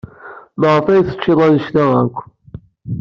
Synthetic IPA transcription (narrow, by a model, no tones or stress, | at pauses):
məʁəfæjθə̥t͡ʃːɪðˤɑnəʃlæækʷː